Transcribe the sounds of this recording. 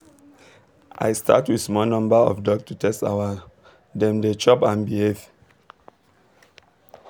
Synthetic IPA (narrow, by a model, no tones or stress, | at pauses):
ʔa̰jstʰa̰twismɔnɔ̃mbaɔ̰fdɔɡtutɛsta̰wa | dɛ̃mdet͡ʃɔpãnbihev